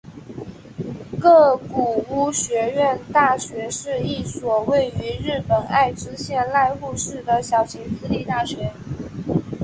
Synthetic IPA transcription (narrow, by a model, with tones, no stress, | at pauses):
kɤ˥˩ku˨˩u˥˩ɕɥɛ˧˥ɥɛ˥˧nt̪a˥˩ɕɥɛ˧˥ʂɻ̩˥˧i˥˩swɔ˨˩we˥˩ɪy˧˥ɻ̩˥˩pə˨˩na˥˧ɪʈ͡ʂɻ̩˥ɕjɛ˥˧nla˥˧ɪu˥˧ʂɻ̩˥˩d̪ə˩ɕjɑ˨˩ʊɕi˧˥ŋsɹ̩˥li˥˧t̪a˥˩ɕɥɛ˧˥